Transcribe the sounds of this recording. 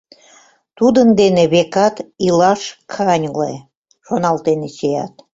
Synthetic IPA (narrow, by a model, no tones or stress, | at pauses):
t̪ud̪ənd̪eneβekɑt̪ilɑʃkʰɑnʲle | ʃonɑlt̪enet͡ɕejɑ̰t̪